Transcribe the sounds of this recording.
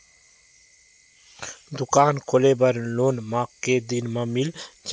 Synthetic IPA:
d̪ʊkaːnkʰolebɐɾloːnmaːkːeːd̪inmamild͡ʒ

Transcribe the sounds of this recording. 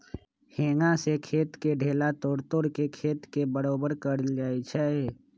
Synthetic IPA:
heːŋasekʰeːt̪keɖʱeːlat̪oːɾt̪oːɾkekʰeːt̪kebəɾoːbəɾkəɾd͡ʒaːit͡ʃʰɛ

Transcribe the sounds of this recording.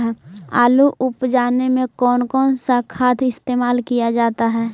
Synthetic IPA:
a̰ːluʔʊpd͡ʒaːnemẽkɔːnkɔːnsakʰaːt̪ʰɪst̪eːmaːlkijad͡ʒaːt̪aɦɛː

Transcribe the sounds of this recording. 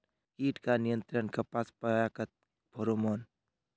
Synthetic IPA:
kiːʈkanijənt̪ɾənkapaspajakət̪̚ | bʱoɾomoːn

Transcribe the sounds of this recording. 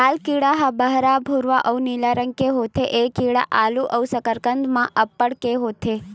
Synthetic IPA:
alkiɽaɦabəɦɾabʱuɾʋaʔəwnilaɾəŋkeɦot̪ʰeʔekiɽa̰ʔaluʔəʋwsəkəɾkənd̪mãʔəpːəɽkeɦot̪ʰe

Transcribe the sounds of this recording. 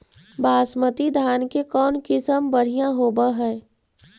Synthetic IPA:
baːsmət̪id̪ʱaːnkekɔːnkɪsəmbəɽ̤ijãɦoːbaɦɛː

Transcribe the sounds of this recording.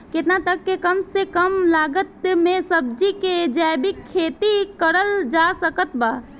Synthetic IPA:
ket̪nat̪əkːekəmsekəmlaɡət̪mesəb̚d͡ʒiked͡ʒɛbikʰːet̪ikəɾəld͡ʒasəkət̪ba

